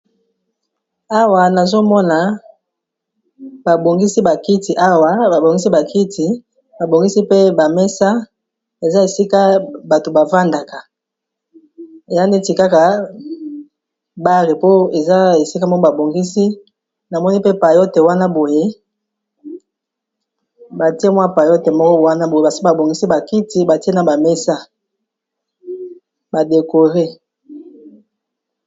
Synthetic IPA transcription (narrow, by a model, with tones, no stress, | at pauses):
a˦wa˨na˨zo˦mɔ˦na˨ | ba˨bo˨ŋɡi˦si˦ba˨ki˦ti˨ʔa˦wa˨ba˨bo˨ŋɡi˦si˦ba˨kʰi˦tʰi˨ | ba˨bo˨ŋɡi˦si˦pe˦ba˨mɛ˦sa˦ | e˨za˦e˨si˦ka˦ba˨to˨ba˨va˦nda˨ka˨ | e˨ja˦nde˦ti˨ka˦ka˨ | ba˦ʁi˨po˦e˨za˦e˨si˦ka˦mɔ˦kɔ˦ba˨bo˨ŋɡi˦si˦ | na˨mɔ˦ni˦pe˦pa˨jo˦te˨wa˦na˦bo˨je˦ | ba˨ti˦e˦mwa˦pa˨jo˦te˨mɔ˦kɔ˦wa˦na˦bo˨je˦ba˨si˦ba˨bo˨ŋɡi˦si˦ba˨ki˦ti˦ba˨ti˦e˦na˨ba˨me˦sa˦ | ba˨de˨ko˨ʁe˦